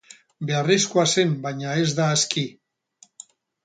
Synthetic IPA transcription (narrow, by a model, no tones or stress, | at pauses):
be̞ariskoase̞mbajɲaezd̪aːski